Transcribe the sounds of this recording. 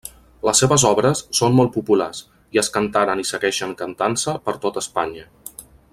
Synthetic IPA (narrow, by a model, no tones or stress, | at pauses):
ləsːeβəzɔβɾəsːonmɔlˠt̪̚pupulas | iəskənt̪aɾənisəɣɛʃəŋkənt̪ansəpəɾt̪ot̪əspaɲə